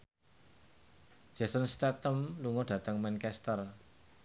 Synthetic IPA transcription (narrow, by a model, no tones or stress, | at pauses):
d͡ʒ̥asənst̪ɛt̪əmluŋɔɖ̥ä̤t̪əŋmankɛst̪ər